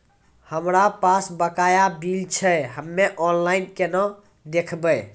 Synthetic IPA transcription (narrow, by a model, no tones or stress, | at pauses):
həmɾapasbəkajabilt͡ʃʰɛɦəmːeʔɔnlainkenɔ | d̪ekʰbəj